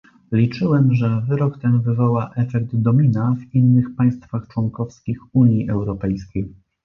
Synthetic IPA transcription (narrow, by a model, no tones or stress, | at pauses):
lʲit͡ʂɘwɛmʐɛvɘɾɔkt̪ɛnvɘvɔwaʔɛfɛkd̪d̪ɔmʲinavinːɘxpaj̃st̪faxt͡ʂwɔŋkɔfskʲixuɲjiʔɛwɾɔpɛjskʲej